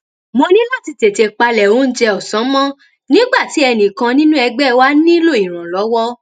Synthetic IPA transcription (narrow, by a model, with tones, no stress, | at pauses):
mo˧nĩ˦la˦˨ti˧te˨te˧k͡pa˧lɛ˨o˨˦n̩˦d͡ʒɛ˧ɔ˨sɔ̃˨˦mɔ̃˦ | nĩ˦ɡ͡ba˦˨ti˨˦ɛ˧nĩ˨kã˧nĩ˦nũ˦ɛ˧ɡ͡bɛ˦wa˦nĩ˦lo˦˨i˨ɾ̃ã˨lɔ˨˦wɔ˦